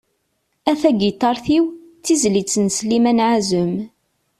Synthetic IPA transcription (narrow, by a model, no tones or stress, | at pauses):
æθæɡit̪ːɑɾˤθiwθizlit͡sːənslimænʕazəm